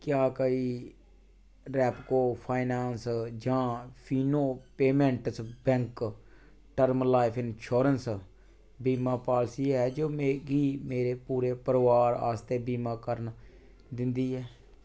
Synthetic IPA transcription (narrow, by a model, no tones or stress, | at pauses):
kjaːkəiː | ɾɛːpkoːpʰaːɪnaːnsd͡ʒãːpʰiːnoːpeːmɛ̃ɳʈsbɛ̃ŋk | ʈəɾmlaːɪpʰɪnʃoːɾəns | biːmãːpaːlsiːɦɛːd͡ʒoːmeɡiːmeːɾeːpuːɾeːpəɾʋaːɾa̰ːst̪eːbiːmãːkəɾn | d̪ɪ̃nd̪iːɦɛː